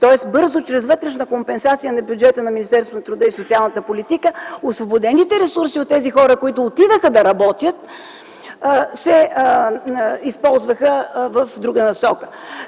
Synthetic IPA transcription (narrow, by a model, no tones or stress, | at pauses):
t̪ɔɛsbɤɾzʊt͡ʃɾɛzvɤt̪ɾɛʃnəkompɛnsat̪sijənɐbjud͡ʒɛt̪ənɐminist̪ɛɾsvonət̪ɾʊd̪əisʊt̪sialˠnət̪əpolit̪ikəosvobod̪ɛnit̪ɛɾɛsuɾsiot̪ːɛzixɔɾəkoit̪ʊːt̪id̪əxəd̪ɐɾɐbɔt̪jət̪̚ː | sɛ | ispɔlˠzvəxəvəfd̪ɾuɡənɐsɔkə̥